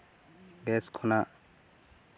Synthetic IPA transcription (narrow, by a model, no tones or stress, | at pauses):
ɡɛskʰɔna